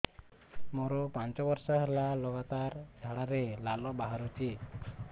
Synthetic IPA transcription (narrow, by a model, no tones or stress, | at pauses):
mɔɾɔpaɲt͡ʃɔbɔɾsaɦɛlalɔɡat̪aɾd͡ʒʱaɽaɾelalɔbaɦaɾut͡ʃi